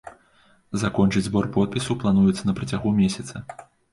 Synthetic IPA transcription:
zakɔnt͡ʂɨd͡zʲzbɔrpɔt̪̚pʲisɐwplˠanujɛt̪sːɐnɐpɾɐt͡sʲaɣumʲesʲɐt̪sɐ

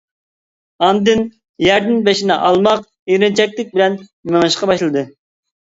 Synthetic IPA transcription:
ɑnd̪ɨn | jɛɾd̪ɪnbeʃinɪʔɑlˠmɑq | iɾɪnt͡ʃʰɛk̚ʲlɪk̚ʲbɪlɛnmeŋɨʃqɑbɑʃlˠɨd̪ɨ

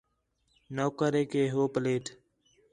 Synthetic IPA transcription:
noːkəɾeːkeːɦoːpəleːʈ

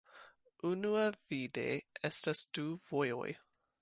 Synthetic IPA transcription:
ʔunuəvidḛʔɛstastuvojo̰j

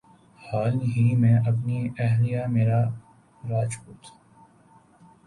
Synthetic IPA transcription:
haːlɦimẽʔɐp̬niɛɦlijameːɾa | ɾaːt͡ʃpuːt̪ʰː

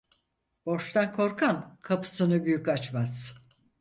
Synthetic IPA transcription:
b̥o̞ʃt̪ʰankʰo̞ɾkʰankʰapʰɯ̥sɯnɯbyjycat͡ʃmaz̥

